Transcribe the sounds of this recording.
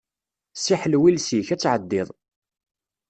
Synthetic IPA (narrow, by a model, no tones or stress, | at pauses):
siħlwilsiçæt͡sːʕəd̪ːɪðˤ